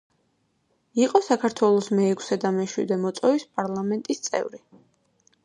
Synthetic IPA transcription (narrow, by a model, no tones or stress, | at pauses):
iqʼɔsakʰaɾt̪ʰwɛlˠɔsmɛːkʰsɛd̪amɛʃwḭd̪ɛmɔt̪sʼɔvispʼaɾlˠamɛnt̪ʼist̪sʼɛ̰vɾi